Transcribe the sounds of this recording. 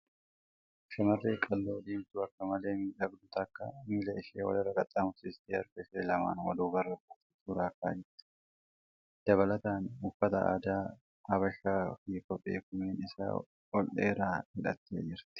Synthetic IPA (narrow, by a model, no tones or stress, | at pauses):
ʃɐmɐrːeːkʼɐlːo̞ːᶑiːmt̪ʊɐkːɐmɐle̞ːmiᶑɐbd̪ʊt̪ɐkːɐmɪlɐɪʃeːwɐ̰lɪɾɐkʼɐt̪ʼːɐmʊt̪ɪst̪iɐɾɡɐfeːlɐma̰ːnwɐd̪uːɡɐrːɐbʊt̪ɪt̪uːɾaːkːa̰ːd͡ʒɪɾt̪ɪ̥ | d̪̥ɐβɐlɐt̪aːnʊfːɐt̪ɐʔa̰ːd̪aː | hɐbɐʃːaːfijkɔpʼːḛːkʊmeːnɪsa̰ː | ɔlᶑḛːɾaːhɪᶑɐt̪ːḛːd͡ʒɪɾt̪ɪ̥